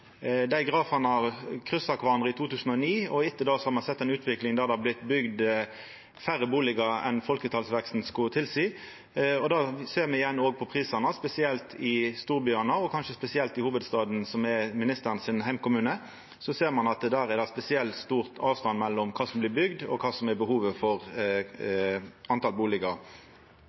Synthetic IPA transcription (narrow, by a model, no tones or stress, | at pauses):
d̪æɪɡʁɑːfɑnəɑkʰʁʏsɑkʋɑnʁəɪt̪ʰuːt̪ʉːsən̩ɔniːɔɪt̪ːəd̪ɑːsɔhɑɾmɑnsɛt̪ːɛnʉːt̪ʰʋɪklɪŋd̪æɾd̪ɛhɑblɪt̪ːbʏɡd̪ | fæʁːəbuːlɪɡəɛ̰nfɔlkət̪ʰɑlsʋɛkst̪n̩skʊt̪ʰɪlsiː | ɔd̪ɑːseːʁmɛɪjɛnːoːɡ̚pʰɔpʰʁiːsɑnəspɛsɪɛlt̪ʰɪst̪uːɾbyːɑnəɔkʰɑnʃəspɛsɪɛlt̪ɪhuːʋəd̪st̪ɑːd̪n̩sɔmɛmɪnɪst̪əʁnsɪnɦæɪmkʊmʉːnə | sɔseːɾmɑnɑt̪d̪æːɾɛd̪ɛspɛsɪɛlt̪st̪uːʁt̪ʰɑːʋst̪ɑnmɛlːɔmkʰɑːsɔmblɪːbʏɡd̪ɔkʰɑːsɔmɛbəhuːʋəfɔʁ | ʔɑnt̪ɑlbuːlɪɡəɾ